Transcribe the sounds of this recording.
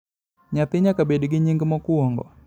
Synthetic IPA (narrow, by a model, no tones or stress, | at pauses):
ɲat̪iɲakabɛdiɡiɲiŋɡəmɔkuɔŋɡɔ̰